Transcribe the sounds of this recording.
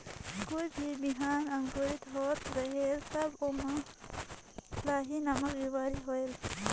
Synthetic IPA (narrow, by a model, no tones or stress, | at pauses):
kujbʱibiɦaːnɐŋɡoɾit̪ɦoːt̪ɾɐɦeːlsɐboma | laːɦinɐmɐkjiwaːɾiɦoel